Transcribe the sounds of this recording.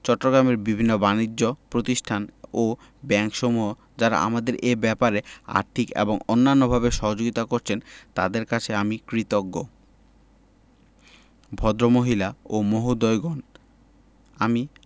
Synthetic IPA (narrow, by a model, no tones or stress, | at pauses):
t͡ɕɔʈːoɡɾameɾbibʱinːobanid͡ʑːopɾot̪iʃʈʰano | bɛŋkʃɔmuɦo | d͡ʑaɾa̰a̰mad̪eɾʔebɛpaɾea̰ɾt̪ʰikḛboŋonːanːobʱabeʃɔɦod͡ʑoɡit̪akoɾt͡ɕʰent̪a̰d̪eɾkat͡ɕʰeamikɾit̪oɡːo | bʱɔd̪ɾomoɦilaomoɦud̪ojɡɔn | ami